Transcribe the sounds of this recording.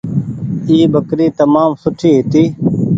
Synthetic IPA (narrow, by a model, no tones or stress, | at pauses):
iːbəkɾiːt̪əmaːmsʊʈʰiːɦɪt̪iː